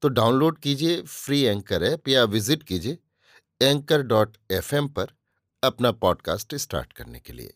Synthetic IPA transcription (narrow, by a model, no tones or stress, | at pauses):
t̪oːɖaːʊnloːɖkiːd͡ʒiefɾiːɛ̃ːŋkəɾɛpijaʋɪzɪʈkiːd͡ʒieː | ɛ̃ːŋkəɾɖɔːʈ | ɛfɛmpɐɾ | ɐpnapɔːɖka̰ːsʈɪsʈa̰ːɾʈkɐɾnḛkḛlḭḛː